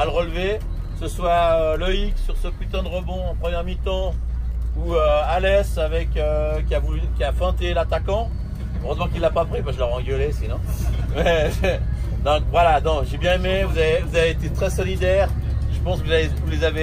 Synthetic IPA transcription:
aləʁəlve | səswaøləiksyʁsəkɥit̪ɑ̃d̪əʁɔbɔ̃ɑ̃pχəmjɛʁmit̪ɑ̃ | uøalɛsavɛkøkʲiavulykʲiafɛ̃t̪elat̪akɑ̃ | øʁøzmɑ̃kilːapapχipaʒələʁɑ̃ɡəlesinɔ̃mɛ | d̪ɔ̃kvwalanɔ̃ʒebjɛ̃emevuzavevuzaveːt̪et̪χɛsɔlid̪ɛːʁ | ʒəpɑ̃skvuzaevulezave

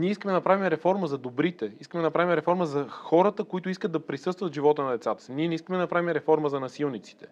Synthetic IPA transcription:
niɛiskəmɛd̪ɐɐpɾavimɛɾɛfɔɾməzɐd̪obɾit̪ɛiskəmɛd̪nɐpɾavimɛɾɛfɔɾməzɐxɔɾət̪əkoit̪ʊiskətd̪ɐpɾisɤst̪vət̪ʒivɔt̪ənɐd̪ɛt̪sat̪ə̥siniɛnɛiskəmɛd̪ɐɐpɾavimɛɾɛfɔɾməzɐnɐsilˠnit̪si̥t̪ɛ̥

